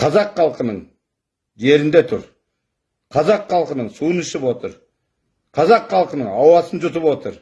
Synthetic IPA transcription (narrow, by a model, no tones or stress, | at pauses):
qʰɑzɑqχɑlˠqənəɴ | ʒe̞ɾɪnd̪et̪ʰʊ̰ɾ | qʰɑzɑqːɑlˠqənəɴsuənɪʃɪpwo̞t̪əɾ | qʰɑzɑqχɑlˠqənəɴɑwɑsənd͡ʒʊt̪əpwo̞t̪əɾ